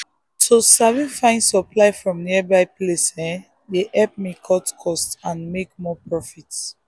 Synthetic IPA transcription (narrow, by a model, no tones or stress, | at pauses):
tʰusavĩfãɪ̃nsɔplaɪfɹɔ̃mniɛbaɪplesɛ̃ | deʔɛp̚mikʰɔtkʰɔstãnmek̚mɔpɹɔfit